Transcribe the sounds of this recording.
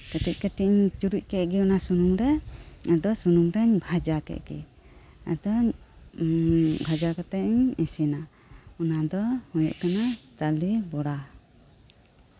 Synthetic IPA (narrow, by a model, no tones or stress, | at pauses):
kɛʈic̚kɛʈiɲt͡ʃuɾuc̚ˀkɛʔ̚ɡiɔnasunuŋɾɛɛd̪ɔsunuŋɾɛɲbʱad͡ʒakɛ̰ʔɡ̥ḭ | ɛ̰d̪ɔɲ | bʱad͡ʒakat̪ɛʔɲisina | ɔnad̪ɔhɔjɔ̰ʔkanat̪alibɔɽa